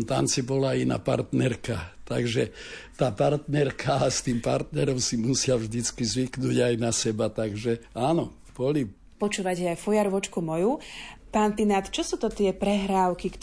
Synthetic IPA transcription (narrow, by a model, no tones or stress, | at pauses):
t̪a̰nt͡sibɔlaina̰ːpa̰ɾt̪nɛɾkat̪aɡʒɛt̪aːpaɾt̪nɛɾkʰaːst̪iːmpa̰ɾt̪nɛɾɔmsimusɪavʒd̪it͡skizʋiknuːɟajnasɛbat̪aɡʒɛaːnɔ | pɔli | pɔt͡ʃuːʋacɛajfɔjaɾʋɔt͡ʃkumɔjupaːnt̪inat̪t͡ʃɔsuːt̪ɔt̪ɪɛpɾɛɦɾaːʊkik